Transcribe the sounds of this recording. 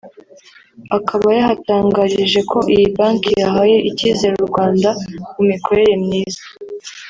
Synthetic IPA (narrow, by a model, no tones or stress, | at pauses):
akʰaβajahataːŋɡaɾiʒe̞kʰo̞ʔijibaːŋkijaɦaje̞ʔiciːze̞ɾuɾɡwaːndakumikʰo̞ɾe̞ɾe̞mɲiːzḁ